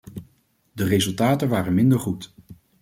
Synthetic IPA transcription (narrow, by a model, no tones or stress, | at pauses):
dərezɵlˠtaːtənʋaːrənmɪndəɹχut